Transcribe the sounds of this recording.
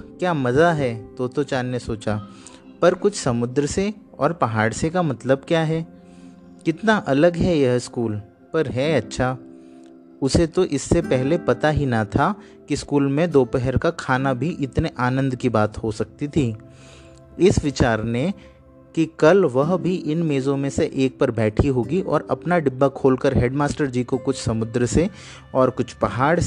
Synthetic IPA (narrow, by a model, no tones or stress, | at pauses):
kjaːmɐzaɦɛt̪oːt̪ot͡ʃaːnnesoːt͡ʃa | pɐɾkʊt͡ʃʰsɐmʊd̪ɾəse | ɔːɾpɐɦaːɽsekamɐt̪ləb̚kjaːɦɛː | kɪt̪naʔɐləɡɦɛjɛɦskuːl | pɐɾɦɛɐtːʃʰaː | ʊset̪oʔɪsːepɛɦlepɐt̪aɦinɐt̪ʰa | kiskuːlmẽd̪oːpɛɦɛɾkakʰaːnabʱiʔɪt̪neʔaːnə̃nd̪kibaːt̪hosɐk̚t̪it̪ʰiː | ɪsʋɪt͡ʃaːɾnẽ | kikɐlʋɐɦbʱiʔɪnmeːzõmẽseʔeːk̚pɐɾbɛːʈʰiɦoːɡiʔɔːɾɐpnaɖɪbːakʰoːlkəɾɦeːɖmaːsʈəɾd͡ʒiːkokʊt͡ʃʰsɐmʊd̪ɾse | ɔːɾkʊt͡ʃʰpɐɦaːɽ